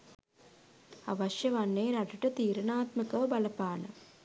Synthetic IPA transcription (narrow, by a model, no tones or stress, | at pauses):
ɐ̰ʋɐʃjɐʋɐnːeːɾɐʈɐʈɐt̪iːɾɐnaːt̪mɐkɐʋɐbɐlɐpaːnɐ̰